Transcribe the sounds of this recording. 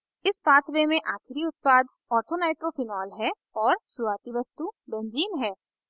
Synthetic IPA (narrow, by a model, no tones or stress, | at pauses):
ɪspaːt̪ʰʋemẽʔaːkʰɪɾiʊt̪̚paːd̪ | ɔːɾt̪ʰonaːɪʈɾofʰɪnɔːlɦɛ | ɔːɾʃʊɾuaːt̪iʋɐst̪ubẽnziːnɦɛː